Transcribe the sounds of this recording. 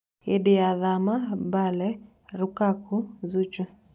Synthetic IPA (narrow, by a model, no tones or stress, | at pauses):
ediaðamabalɛ | ɾukakuzut͡ʃu